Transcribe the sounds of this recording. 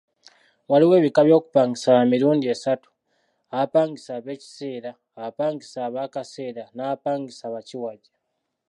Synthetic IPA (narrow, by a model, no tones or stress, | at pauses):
waliwe̞ːβikaβjo̞ːku̥paːŋɡisamiɾuːndie̞satu̥ | aapaːŋɡisaːβe̞ːci̥se̞ːɾaːpaːŋɡisaːβakase̞ːɾanaːpaːŋɡisaːβaciwaɟa